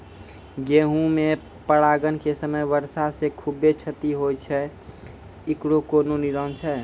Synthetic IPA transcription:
ɡeɦũme | pəɽaɡənkesəməjʋəɾsasekʰubːet͡ʃʰət̪iɦojt͡ʃʰɛ | ikɽokononiɾənt͡ʃʰɛ

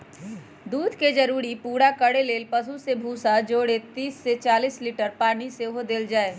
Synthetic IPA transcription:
d̪uːd̪ʱked͡ʒɐɾuːɾipuːɽakəɽeleːlpəs̬usebʱuːsad͡ʒoːɽet̪iːsːet͡ʃaːliːsliːʈəɾpaːniseɦod̪eːld͡ʒaːeː

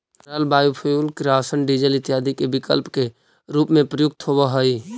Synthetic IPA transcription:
ɾəlbaːjupʰəjulkɾaːsənɖid͡ʒəlɪt̪jaːd̪ʱikebɪkəlpke | ɾuːpmẽpɾəjʊk̚t̪ɦobəɦəi

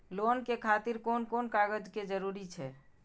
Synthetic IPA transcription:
lonkekʰat̪iɾkonkonkaɡəd͡ʒked͡ʒəɾuɾit͡ʃʰɛ̰

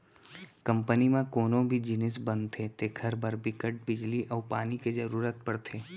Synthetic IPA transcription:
kə̃mpənimãkoːnõbʱid͡ʒɪnɪsbə̃nd̪t̪ʰet̪eːkʰəɾbʱəɾbɪkəʈ̚bɪd͡ʒliʔɔːpaːnikezɐɾuːɾət̪̚pəɽt̪ʰeː

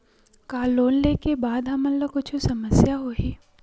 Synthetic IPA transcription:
kaːlːoːnlekebaːd̪ɦɐmənlɐkʊt͡ʃʰusɐməsjaɦoɦiː

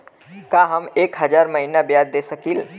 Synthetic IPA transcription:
kaɦəmekɦəd͡ʒaɾməɦinabjad̪ːesəkil

